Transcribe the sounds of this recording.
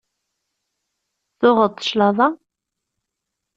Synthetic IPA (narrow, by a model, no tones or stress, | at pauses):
θʊʁət̪ˤːə̥ʃlɑðˤɑ